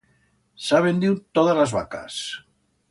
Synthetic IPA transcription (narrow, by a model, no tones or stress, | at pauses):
saβend̪iwt̪oðalazβa̰ka̰s